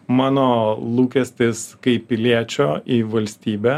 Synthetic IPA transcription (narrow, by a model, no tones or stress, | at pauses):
mɑːnoːlˠuːkʲɛsʲt̪ʲɪskɐɪpʲːɪlʲiɛt͡ʃʲoːiʋɐlʲsʲt̪ʲiːbʲɛ